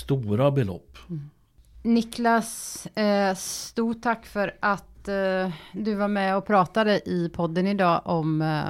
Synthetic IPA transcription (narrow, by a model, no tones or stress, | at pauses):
t̪uːɾabɛlɔ̰pː | nɪklas | sst̪uːʈʰːakːfœɾʔat̪ | d̪ɵvaɾmɛɔpʰɾɑːt̪ad̪əʔɪpʰɔd̪ːənɪd̪ɑːʔɔm